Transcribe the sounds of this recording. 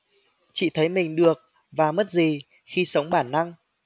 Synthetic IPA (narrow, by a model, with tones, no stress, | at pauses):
t͡ɕḭ˧˨t̪ʰə˨˦jmï˨˩ŋ̟ɗɨ˨˩ək̚ | vaː˨˩mə˦˥t̚zi˨˩ | xi˧sə˨˦wŋ͡mɓaː˧˩nːa˧ŋ